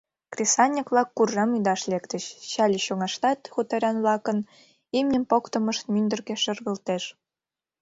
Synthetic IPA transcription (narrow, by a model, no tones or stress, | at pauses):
krʲesɑnʲːikβlɑkːurʒɑmyd̪ɑʃlekt̪ə̆ɕt͡ɕɑlʲiɕoŋɑʃt̪ɑt̪xut̪ɑɾʲɑnβlɑkə̆n | imnʲəmpokt̪ɤ̆məʃt̪̚mynd̪ə̆rɣeʃə̆rɣə̆lt̪eʃ